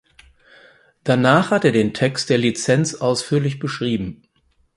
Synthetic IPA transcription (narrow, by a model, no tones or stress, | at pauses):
d̥anaːχhateːɐdeːntʰɛkst̚d̥eːɐlit͡sɛnt͡sʔaʊsfyːɐlɪç̬b̥əʃʁ̥iːbm̩